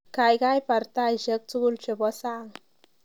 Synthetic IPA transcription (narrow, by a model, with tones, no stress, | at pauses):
ka˨jɡa˦jpa˨ɾt̪a˦jʑə˦k̚t͡su˦ɡu˦lt͡ʃe˨bɔ˦sa˦˨ŋ